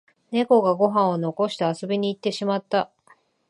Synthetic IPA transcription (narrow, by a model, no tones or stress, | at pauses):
ne̞ko̞ɡaɡo̞ɦãɰ̃o̞no̞ko̞ɕi̥t̪easo̞bʲiɲ̟iːt̪ːe̞ɕimat̪ːa